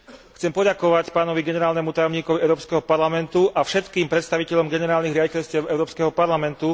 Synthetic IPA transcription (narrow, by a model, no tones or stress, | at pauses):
xt͡sɛmpɔɟakɔʋacpaːnɔʋiɡɛnɛɾaːlnɛmut̪ajɔmɲiːkɔʋiʔɛʊɾɔːpskɛɦɔpaɾlamɛnt̪uʔafʃɛt̪kiːmpɾɛt̪st̪aʋicɛʎɔmɡɛnɛɾaːlniɣɾɪaɟicɛʎscɪɛʊɛʊɾɔːpskɛɦɔpaɾlamɛnt̪u